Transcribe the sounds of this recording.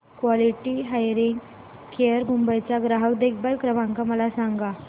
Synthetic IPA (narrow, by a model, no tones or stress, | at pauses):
kʋɔliʈiɦajɾiŋɡ | kʰeəɾɡʱumbəjt͡ɕaɡɾaɦəkd̪ek̚bəlkɾəʋãŋkaməlasaŋɡa